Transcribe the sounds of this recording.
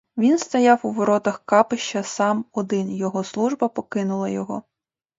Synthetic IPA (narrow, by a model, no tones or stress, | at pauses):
ʋʲinst̪ɐjɑwuʋɔɾɔt̪ɐxkɑpɪʃt͡ʃɐsɑmɔd̪ɪnjɔɦɔslˠuʒbɐpɔkɪnʊlˠɐjɔɦɔ